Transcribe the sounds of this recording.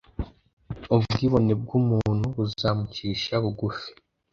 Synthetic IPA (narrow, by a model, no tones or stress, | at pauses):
ubɡiːβo̞neb̚ɡumun̥huβuzaːmuciːʃaβuɡufi̥